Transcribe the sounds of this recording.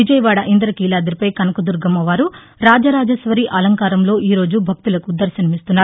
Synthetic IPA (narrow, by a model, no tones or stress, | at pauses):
ʋid͡ʒɐjɐʋaːɽɐʔind̪ɐɾɐkiːlaːd̪ɐɾipɐjkɐnɐkud̪uɾɡɐmɐʋaːɾu | ɾaːd͡ʒɐɾaːd͡ʒɐʃʋɐɾiʔɐlɐŋkaːɾɐmlo̞ːʔiːɾo̞ːd͡ʒubʱɐk̚t̪ulɐkud̪ɐɾʃɐnɐmist̪unːaːɾu